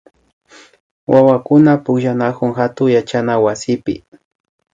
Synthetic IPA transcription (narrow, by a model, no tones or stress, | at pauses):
wawakʊnapʊkʃanakʊŋxat̪ʊŋjat͡ʃanawasɪpɪ̰